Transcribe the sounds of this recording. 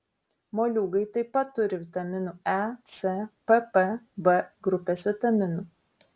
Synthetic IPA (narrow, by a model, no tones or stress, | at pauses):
moːlʲuːɡɐɪt̪ɐɪpɐt̪ːʊɾʲɪʋʲɪt̪ɐmʲɪnuːɛt̪sʲɛpɛpɛbɛɡɾʊpʲeːsʋʲɪt̪ɐmʲɪnuː